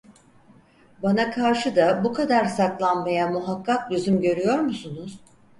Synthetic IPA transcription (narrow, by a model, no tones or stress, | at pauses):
banakʰaɾʃɯd̪abukʰad̪aɾsaklˠanmajamuɦakʰːaklyzymɟø̞ɾyjo̞ɾmusunuz̥